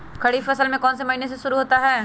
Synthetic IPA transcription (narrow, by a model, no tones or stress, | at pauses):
kʰɐɽifɐsəlmẽkɔːnsemɐɦiːnes̬eʃʊɾuɦoːt̪aɦɛː